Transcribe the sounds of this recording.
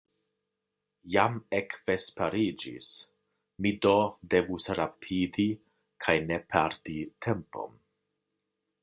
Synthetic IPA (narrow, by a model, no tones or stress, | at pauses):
jamekv̥espaɾid͡ʒḭs | midode̞vusɾapʰidi | kʰajnepʰaɾtitʰempo̞̰m